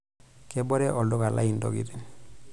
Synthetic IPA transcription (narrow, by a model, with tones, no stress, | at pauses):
kɛbɔ˦ɾɛʔɔ˨ldo˦ka˨la̰˦indɔ̰˨ɡḭ˨ɾi˨n